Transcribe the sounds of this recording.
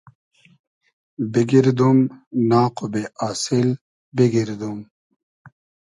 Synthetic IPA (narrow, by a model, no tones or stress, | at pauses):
biɡiɾd̪umnaːqobeʔaːsil | biɡiɾd̪um